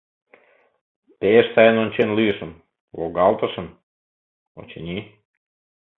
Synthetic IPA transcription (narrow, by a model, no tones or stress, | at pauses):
peʃt̪ɑjenonʲt͡ɕenlyʃə̆n | lˠoɡɑlt̪ə̆ʃə̆n | o̰t͡ɕenʲi